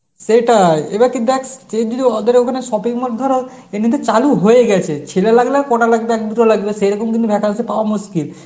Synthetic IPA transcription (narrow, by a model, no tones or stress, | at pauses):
seʈaebaɾkind̪uɛkt͡ʃed̪iliɔd̪eɾeokʰaneʃɔpikmɔt̪̚d̪ʱɔɾo | enit̪̬et͡ɕaluɦojeɡɛt͡ɕʰet͡ɕʰelelaɡlakɔʈalaɡ̚beɛk̚d̪uʈolaɡbeʃejɾɔkomk̬int̪ubʱɛkʰansepaoamuskil